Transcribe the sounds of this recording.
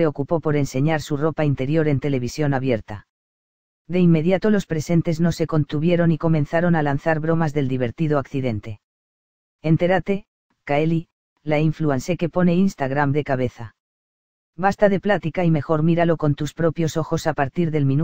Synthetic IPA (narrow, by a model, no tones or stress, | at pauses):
eo̞kupo̞po̞ɾe̞nse̞ɲaɾsuro̞paint̪e̞ɾjo̞ɾe̞nt̪e̞le̞βisjo̞naβje̞ɾt̪a̰ | d̪e̞imːe̞ðjat̪o̞lo̞spɾe̞se̞nt̪e̞zno̞se̞ko̞nt̪uβje̞ɾo̞niko̞mẽ̞nθaɾo̞nalanθaɾβɾo̞mazðe̞ld̪iβ̞e̞ɾt̪iðoakθiðe̞nt̪e̞ | e̞nt̪e̞ɾat̪e̞ | kaeli | laiɱfluanse̞ke̞po̞ne̞inst̪aɣɾamd̪e̞kaβe̞θa | bast̪aðe̞plat̪ikaime̞xo̞ɾmiɾalo̞ko̞nt̪uspɾo̞pjo̞so̞xo̞sapaɾt̪iɾðe̞lmĩ